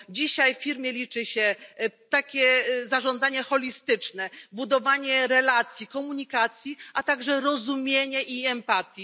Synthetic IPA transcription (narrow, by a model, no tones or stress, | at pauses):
d͡ʑiɕajffʲiɾmʲjɛlʲit͡ʂɘɕɛt̪akʲɛzaʐɔnd̪zaɲɛxɔlʲist̪ɘt͡ʂnɛbud̪ɔvaɲɛɾɛlat̪sʲjikɔmuɲikat̪sʲjiʔat̪aɡʐɛɾɔzumʲjeɲɛʔiɛmpat̪ji